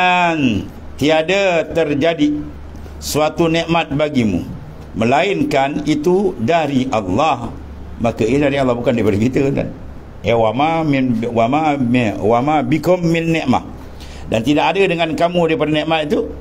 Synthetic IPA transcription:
an | t̪iadat̪ərd͡ʒadi | suat̪unɛʔmat̪̚baɡimṵ | məlaɪnkanit̪udaɾiʔalːah | makaidaɾialːahbukandaipadakit̪əda̰n | ewamamnwamawamabikʊmːɪnːɛʔma̰h | dant̪idakadədəŋankamudaip̬adanɛʔmat̪it̪u

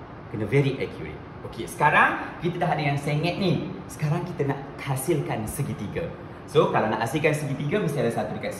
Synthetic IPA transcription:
kənəvɛɾiʔɛkʰjṵɾḛt̪̚ | okesə̥kaɾaŋkit̪ət̪aɦaʔ̚dəŋãnsɛŋɛt̪̚nisə̥kaɾaŋkit̪ənaʔ | hasilkansəɡit̪iɡə | sokalanãʔhasilkansəɡit̪iɡəbəstialasat̪udəka

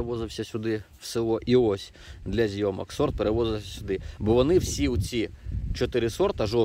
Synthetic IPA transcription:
eʋɔzɪwsʲɐsʲʊd̪ɪ | w̥sɪlˠɔʔiɔsʲ | d̪lʲɐzʲjɔmɐ̰ksɔrt̪̚peɾeʋɔzɪlˠsʲɐsʲʊd̪ɪbɔʋɔnɪwsʲiʊt͡sʲit͡ʃɔt̪ɪɾɪsɔrt̪ɐʒɔ

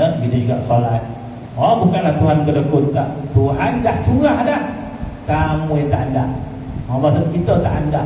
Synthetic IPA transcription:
əɡit̪əd͡ʒuɡaʔsolat̪̚ | obukanlaht̪uɦankələkʊt̪t̪aʔt̪uɦandaht͡ʃuɣahdah | kamujɛt̪aʔandaʔ | mamasʊt̪̚kit̪ət̪aʔandaʔ

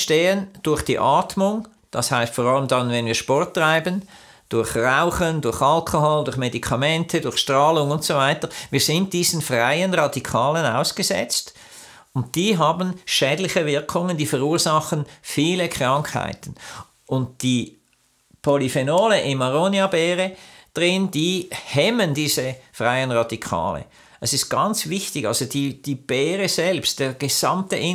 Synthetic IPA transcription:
ʃteːənd̥ʊɐχd̥ḭːʔɑːtmʊŋ | d̥ɑshaɪstfɔːʁɑləmdɑnvɛnviːɐʃpɔɐtːʁaɪbən | d̥ʊɐxʁaʊχəndʊɐxɑlkʰoɦɔldʊɐçmedikʰɑmɛntʰədʊɐçʃtʁɑːlʊŋʊntsovaɪtəviːɐzɪnt̚d̥iːz̥n̩fʁaɪənʁɑdikʰɑːlənaʊsɡ̥əzɛ̰t͡st | ʊnt̚d̥iːɦɑːbən̩ʃɛːdlɪçəvɪɐkʰʊŋənd̥iːfəʁuːzɑχənfiːləkʰʁ̥ɑŋkha̰ɪtn̩ | ʔʊnt̚d̥iː | pʰolifenoːləʔɪnmːaʁonjabɛːʁəd̥ʁɪnd̥iːhɛməndiːzəfʁaɪənʁɑdikʰa̰ːlə̰ | ʔɛsɪst̚ɡ̥ɑnt͡svɪçtɪɡa̰lzod̥iːd̥iːb̥ɛːʁəz̥ɛlpst̚d̥eːɐɡ̥ez̥a̰mtə̰ʔɪ

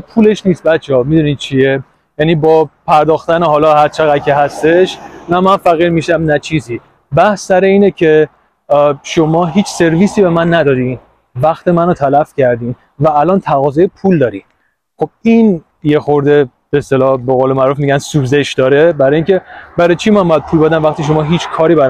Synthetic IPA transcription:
pʰule̞ʃniːst̪̚bæt̪t͡ʃʰeɒːmid̪unid̪̚t͡ʃʰie | jæniːbɒːpʰæɾd̪ɒːxt̪æneɦɒːlɒːhæɾt͡ʃʰeɣæd̪̚cʰeɦæst̪e̞ʃvæmænfæɣiːɾmiːʃæmnæt͡ʃʰiːziː | bæhsːæɾeiːnecʰe̞ | ʃo̞mɒːɦiːt͡ʃʰse̞ɾviːsiːbe̞mænːæd̪ɒːɾi | væxt̪ʰemænot̪ʰælæfcʰæɾd̪iːn | væːlɒːnt̪ʰæɣɒːzɒjepʰuːld̪ɒːɾi | xo̞b̚iːn | jexoɾd̪e̞ | b̥eːst̪elɒːbeɣoːlemæɾufmiɟænsubzeʃd̪ɒːɾebæɾɒːjiŋcʲe̞bæɾɒjt͡ʃʰimænbɔjæd̪̚pʰuːlbed̪æmvæxt̪iʃ̬o̞mɒːɦiːt͡ʃʰkʰɒːɾiːbæɾ

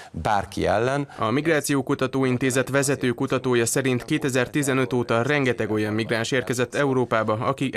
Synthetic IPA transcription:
baːrkḭɛ̰lːɛnɒmiɡraːt̪sijoːkut̪ɒt̪oːint̪eːzɛt̪ʋɛzɛt̪øːkut̪ɒt̪oːjɒsɛɾint̪keːt̪ɛzɛrt̪izɛnø̞t̪oːt̪ɒrɛŋɡɛt̪ɛɡo̞jɒmːiɡraːnʃeːrkɛzɛt̪ːɛuɾoːpaːbɒɒkiʔ

